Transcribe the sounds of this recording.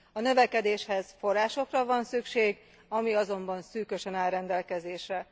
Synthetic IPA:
ɒnøvɛkɛd̪eːʃhɛz̥fo̞rːaːʃo̞krɒvɒnsykʃeːɡ | ɒmiɒzo̞mbɒnsyːkø̞ʃɛnaːlɾɛnd̪ɛlkɛzeːʃrɛ

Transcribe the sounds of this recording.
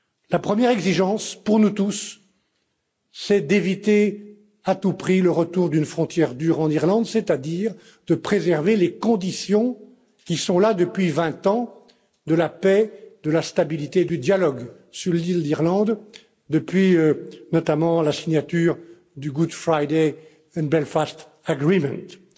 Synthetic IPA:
lapχəmjɛʁɛɡziʒɑ̃spuʁnut̪us | ɛd̪evit̪e | at̪upχiləʁət̪uʁd̪ynfχɔ̃t̪jɛʁd̪yʁɑ̃niʁlɑ̃d̪sɛt̪ad̪iʁ | d̪̥əpχezɛʁvelekɔ̃d̪isjɔ̃ | kʲisɔ̃lad̪əpɥivɛ̃t̪ɑ̃ | d̪əlapɛd̪əlast̪abilit̪ed̪yd̪jalɔɡ | syʁlild̪iʁlɑ̃d̪ | d̪əpɥinɔt̪amɑ̃lasiɲjat̪yːʁ | d̪yɡud̪fχajd̪e | ɛ̃bɛlfast̪ | aɡʁimɛ̰̃t̪

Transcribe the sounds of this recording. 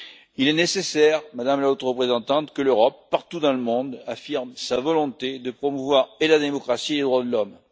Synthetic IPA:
ilɛnesesɛʁmad̪amlaot̪ʁəpχezɑ̃t̪ɑ̃t̪kəløʁɔpːaʁt̪ud̪ɑ̃ləmɔ̃d̪afiʁmsavɔlɔ̃t̪ed̪əpχɔmuvwaʁelad̪emɔkχasieled̪ʁwad̪əlɔm

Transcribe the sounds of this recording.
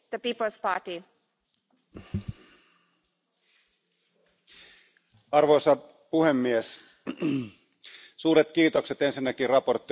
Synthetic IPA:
d̥̪əpiːpəlspɑːʈi | ɑrʋojsɑ | puhe̞mːies | suːɾet̪kiːt̪o̞kse̞t̪e̞nsinːæk̟irrɑpo̞rt̪ːi

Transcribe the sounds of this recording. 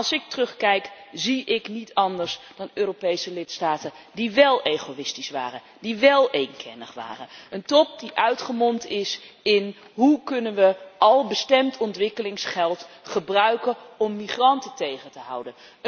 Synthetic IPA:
ɑlˠsɪk̚tərɵχkɛjkziɪknitʰɑndəɹsd̥ɑnøːropejsəlɪtstaːtən | diʋɛlˠejχowɪstisʋa̰ːrən | diʋɛlˠejnkʰɛ̰nəχʋa̰ːrənəntɔp̚diʔœɥtχəmɔntɪs | ɪn | ɦukɵnənʋəɑlˠbəstɛmtɔntʋɪkəlɪŋsχɛlˠtχəbrœɥkəɔmːiχrɑntətejχəntəɦɑ̰wdən

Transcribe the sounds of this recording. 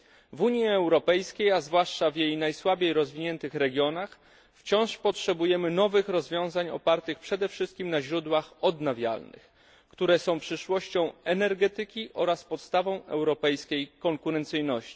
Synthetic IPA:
vuɲjiɛwɾɔpɛjskʲejazvwaʂt͡ʂavjejnajswabʲejɾɔzvʲiɲɛnt̪ɘxɾɛɡʲjɔnax | ft͡ɕɔ̃w̃ʂpɔtʂɛbujɛmɘnɔvɘxɾɔzvʲjɔ̃w̃zaɲɔ̰paɾt̪ɘxpʂɛd̪ɛfʂɘst̪̚kʲimnaʑɾud̪waxɔd̪navʲja̰lnɘ̰x | kt̪uɾɛsɔ̃w̃pʂɘʂwɔɕt͡ɕɔ̃w̃ɛnɛɾɡɛt̪ɘkʲiʔɔɾaspɔt̪st̪avɔ̃w̃ɛ̰wɾɔpɛjskʲejkɔŋkuɾɛnt̪sɘjnɔɕt͡ɕi̥

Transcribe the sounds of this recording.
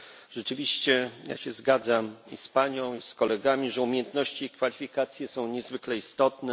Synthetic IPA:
ʐ̥ɛt͡ʂɘvʲiɕt͡ɕɛja̰ɕɛzɡad̪zamispaɲɔ̃w̃iskɔlɛɡamʲiʐɛumʲjɛnt̪nɔɕt͡ɕiːkfalʲifʲikat̪sʲjɛsɔ̃w̃ɲɛzvɘklɛist̪ɔt̪nɛ

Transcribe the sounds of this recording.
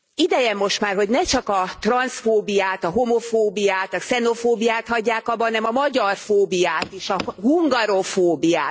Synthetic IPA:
id̪ɛjɛmːo̞ʃt̪maːrɦo̞ɟnɛt͡ʃɒkɒt̪rɒnsfoːbijaːt̪ɒɦomo̞foːbijaːt̪ɒksɛno̞foːbijaːt̪hɒɟːaːkɒbːɒnːɛmɒmɒɟɒrfoːbijaːt̪iʃɒɦuŋɡɒɾofoːbija̰ːt̪

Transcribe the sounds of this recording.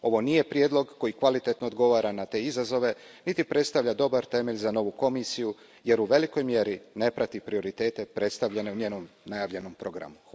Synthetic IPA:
o̞ʋo̞nije̞pɾjed̪lo̞ɡkːo̞jikʋalit̪e̞t̪noːd̪ɡo̞ʋaːɾanat̪e̞ːizazo̞ʋe̞ | nit̪ipɾet̪st̪aʋʎad̪o̞baɾt̪e̞me̞ʎzano̞ʋuko̞misiju | je̞ɾuʋe̞liko̞jmje̞ɾine̞pɾat̪ipɾio̞ɾit̪e̞ːt̪e̞pɾe̞t̪st̪aʋʎene̞uɲeːno̞mnajaːʋʎe̞no̞mpɾo̞ɡɾa̰mux

